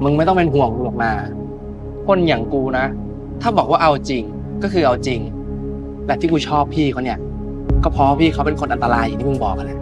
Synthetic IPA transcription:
mɯ˧ŋma˥˩jt̪ɔ˥˩ŋpe˧nɦu˨˩əŋbu˨˩ək̚maː˧ | kʰo˧˥˩nja˨˩ŋkuː˧na˦˥ | t̪ʰaː˥˩bɔː˨˩k̚waː˥˩ʔa˧wt͡ɕi˧ŋ | kɔː˥˩kʰɯː˧ʔa˧wt͡ɕi˧ŋ | lɛ˨˩t̪ʰi˥˩kuː˧t͡ɕʰɔː˥˩pʰːiː˥˩kʰɔ˥˩˨ni˧˩ | kɔː˥˩pʰɔ˧waː˥˧pʰiː˥˩kʰa˦˥wpe˧nkʰo˧nʔa˧nt̪a˧laː˧jʔːt̪ʰiː˥˩ɯ˧ŋbɔː˨˩k̚ːa˧˨lɛ˧˥˩ʔ

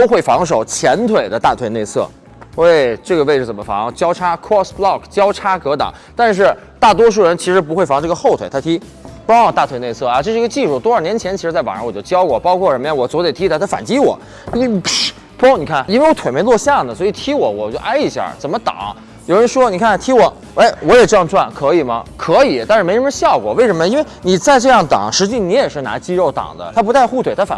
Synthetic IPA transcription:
t̪o˥ʊxwe˥˩ɪfɑ˧˥ŋʂ̬o˨˩ʊt͡ɕʰjɛ˧˥nt̪ʰwe˨˩ɪd̪ə˦t̪a˥˩t̪ʰwe˨˧˩ɪne˥˧ɪt͡sʰɤ̰˥˩ | e˥˩ɪʈ͡ʂɤ˥˩ɡə˩we˥˧ɪʈ͡ʂɻ̩˥˩t͡sə˨˩mə˦fɑ̰˧˥ŋt͡ɕjɑ˥ʊʈ͡ʂʰa˥kʰɔ˥˩sblɑ˥˩kt͡ɕjɑ˥ʊʈ͡ʂʰa˥kɤ˧˥t̪ɑ̰˨˩˦ŋt̪a˥˧nʂ̬ɻ̩˥˧ | t̪a˥˩t̪wɔ˥ʂ̬u˥˩ɻə˧˥nt͡ɕʰi˧˥ʂɻ̩˧˥p̬u˧˥xe˥˩ɪfɑ˧˥ŋʈ͡ʂɤ˥˩ɡə˧xo˥˩ʊt̪ʰwe˨˩ɪt̪ʰa˥t̪ʰi˥ | pu˧˥˩wɔ˨˩t̪a˥˩t̪we˨˩ɪne˥˧ɪt͡sʰɤ˥˩a˧˩ʈ͡ʂɤ˥ʂ̩˥˧˥ɡə˧t͡ɕi˥˧ʂu˥˩t̪wɔ˥ə˞˥˩njɛ˧˥nt͡ɕʰjɛ˧˥nt͡ɕi˧˥ɻ̩˧˥t͡sa˥˩ɪwa̰˨˩ɻ̰ə˧˥wɔ˨˩t͡ɕjo˥˧ʊt͡ɕjɑ˥ʊkwɔ˥˩pɑ˥ʊkʰwɔ˥˩ɻə˧˥nmjɛ˥nwɔ˨˩t͡swɔ˧˥t̪e˨˩ɪt̪ʰi˥a˥˩t̪ʰfa̰˨˩nt͡ɕi˥wɔ̰˨˩˦ | pu˥kʰni˨˩kʰa˥˩ni˥nwe˥˩wɔ˧˥t̪ʰe˨˩me˧˥ɪlwɔ˥˧ɕjɑ˥˩ŋd̪ə˩swɔ˧˥i˨˩t̪ʰi˧˥wɔ˨˧˥wɔ̰˨˩t͡ɕo˥˩ʊʔa˥ɪi˧˥ɕja̰˥˩t͡sə˨˩nmə˦t̪ɑ̰˨˩˦ŋ | jo˨˩ʊɻə˧˥nʂwɔ˥ni˨˩kʰa˥n˧t̪ʰi˧˥wɔ˨˩˦ | e˥˩ɪwɔ˧˥jɛ˨˩ʈ͡ʂɤ˥˧jɑ˥˧ŋʈ͡ʂwa˥˩nkʰɤ˧˥i˨˩mɐ˧˦kʰɤ˧˥i˨˩˦t̪a˥˧nɻ̩˥˩m˧˥ɻɻə˧˥nɕjɑ˥˩ʊkwɔ̰˨˩we˥˩ɪʂə˧˥nmə˧i˥nwe˥˩ɪni˨˩t͡sa˥˧ɪʈ͡ʂɤ˥˧jɑ˥˩ŋt̪ɑ̰˨˩˦ŋʂɻ̩˧˥t͡ɕi˥˩ni˧˥jɛ˨˩ʂɻ̩˥˩na̰˧˥t͡ɕi˥ɻo˥˩ʊt̪ɑ̰˨˩ŋd̪ə̰˦t̪ʰa˥p̬t̪a˥˧ɪxu˥˩t̪ʰwe˨˩ɪt̪ʰfa̰˨˩

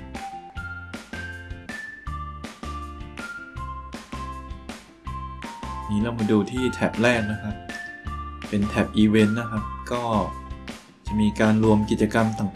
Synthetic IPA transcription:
miː˦˥˩la˧˩˨ma˧duː˧˩t̪ʰiː˥˩t̪ʰɛ˦˩p̚lɛː˥˩k̚na˦˥kʰa˦˥p̚ | pe˧nt̪ʰɛ˦˩p̚ʔiː˧we˦˥nːa˦˥kʰa˦˥p̚kɔː˥˩ | t͡ɕa˨˩miː˧kaː˧nɾu˧əmki˨˩t̪̚t͡ɕa˧ka˧mt̪a˨˩ŋ

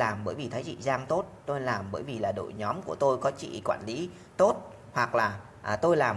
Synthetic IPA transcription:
aː˨˩mɓəː˧˩jvi˨˩t̪ʰə˨˦jzḭ˧˨zaː˧ŋt̪o˦˥t̚t̪o˧jlaː˨˩mɓəː˧˩jvi˨˩laː˨˩ɗo̰˧˨jɲɔ˨˦mku˧˩ət̪o˧jkɔ˨˦t͡ɕḭ˧˨kwaː˧˨nli˨˦ | t̪o˦˥t̚ | hwa˨˩k̚laː˨˩ | ʔt̪o˧jlaː˨˩m

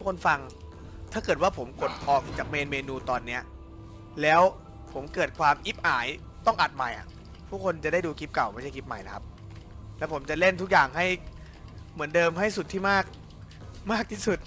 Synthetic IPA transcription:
kʰo˧nfa˧ŋ | t̪ʰaː˥˩kɤː˨˩t̪waː˥˩pʰo˩˦mko˨˩t̪̚ʔɔː˨˩k̚t͡ɕaː˨˩k̚meː˧nmeː˧nuː˧t̪ɔː˧nːi˦˥ɐ | lɛː˦˥w | pʰo˩˦mkɤː˨˩t̪̚kʰwaː˧mʔi˦˥p̚ʔaː˩˦j | t̪ɔ˥˩ŋʔa˨˩t̪̚ma˨˩jʔa̰˨˩ | pʰuː˥˩kʰo˧nt͡ɕa˨˩da˥˩jduː˧kʰi˦˥p̚ka˨˩wma˥˩a˥˩jkʰi˦˥p̚ma˨˩jna˦kʰa˦˥p̚ | lɛ˦˥wpʰo˩˦mt͡ɕa˨˩le˥˩nt̪ʰu˦˥k̚jaː˨˩ŋɦa˥˩j | mɯ˩˦əndɤː˧mɦa˥˩jst̪ʰːiː˥˩maː˥˩k̚ | maː˥˩k̚t̪ʰiː˥˩su˨˩t̪̚

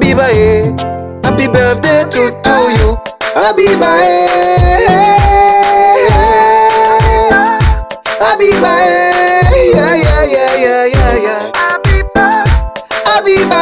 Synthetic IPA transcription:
bi˦ba˦e˧ | a˨bi˦bɛ˨d̪e˦te˨tu˦ju˨a˦bi˦ba˧e˦ | a˦bi˦ba˦je˨ja˦ja˧ja˧ja˧ja˦ja˨ | a˦bi˦ba˦

